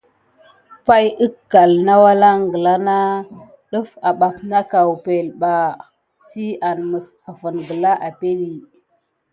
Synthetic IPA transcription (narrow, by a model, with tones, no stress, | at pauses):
pa˦jə˦kːa˨lna˦wa˦la˦ŋɡə˨la˦na˦ | ɗə˦fa˨ɓa˨pna˦ka˨wpe˨lɓa˨ | ti˦a˨nmə˨sa˨və˨nɡə˨la˦ʔa˨pe˦li˨